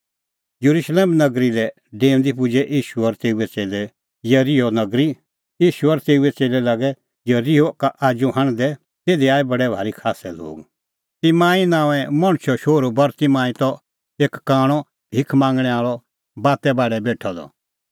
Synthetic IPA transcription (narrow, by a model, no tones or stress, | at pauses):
jɐɾuʃleːmnɐɡɾilɛ | ɖẽːnd̪ipʊd͡ʒɛʔiːʃuɔɾt̪eːuɛt͡seːlɛ | jɐɾiɔnɐɡɾi | jiːʃuəɾt̪eːuɛt͡seːlɛlaːɡɛ | jɐɾiokaʔaːd͡ʒuɦɐ̃ɽ̃d̪ɛ | t̪eːd̪iaːibɐɽɛbʱaːɾikʰaːsɛlo̰ːɡ | t̪imãːĩnãːʋɛ̃mɐ̃ɽ̃t͡ʃʰɔʃoːɾubɐɾt̪imãːĩt̪ɔ | eːkːaːɽ̃ɔ | bʱɪkʰmãːŋɡɽ̃ɛ̃aːɭɔ | baːt̪ɛbaːɖɛbeːʈʰɔd̪ɔ̰